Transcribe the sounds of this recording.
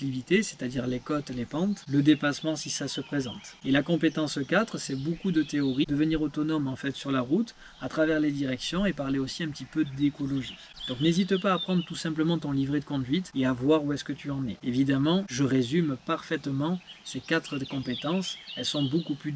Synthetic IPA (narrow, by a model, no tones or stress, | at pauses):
ivit̪ese̥t̪ad̪iʁlekɔt̪lepɑ̃t̪ləd̪epasmɑ̃sisasəpχezɑ̰̃t̪elakɔ̃pet̪ɑ̃səkat̪χəsɛbokud̪ət̪eɔʁid̪əvəniʁot̪ɔnɔmɑ̃fɛt̪syʁlaʁut̪ | at̪χavɛʁled̪iʁɛksjɔ̃epaʁleosiɛ̃pət̪ipød̪ekɔlɔʒi | d̪̥ɔ̃knezit̪paːpχɑ̃d̪ʁət̪usɛ̃pləmɑ̃t̪ɔ̃livʁed̪əkɔ̃d̪ɥit̪eavwaʁuɛskət̪ʰyɑ̃nɛevid̪amɑ̃ʒəʁezympaʁfɛt̪mɑ̃sekat̪χəkɔ̃pet̪ɑ̃sɛlsɔ̃bokuply